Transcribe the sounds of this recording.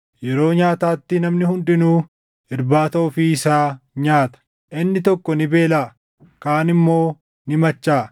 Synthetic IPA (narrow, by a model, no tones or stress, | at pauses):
jɛɾo̞ːɲaːt̪aːt̪ːɪnɐmnɪhʊndᶑɪnuː | ɪɾbaːt̪ɐʔʊfɪɪsaːɲaːt̪ɐ̥ | ʔɪnːɪt̪ɔkːɔnɪbe̞ːlaː | kaːnɪmːo̞ː | nɪmɐt͡ʃːaː